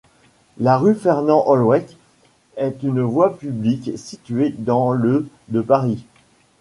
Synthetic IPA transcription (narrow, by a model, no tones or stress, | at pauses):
laʁyfɛʁnɑ̃ʔɔlwɛk | ɛt̪ynvwapybliksit̪ɥed̪ɑ̃lø | d̪əpaʁi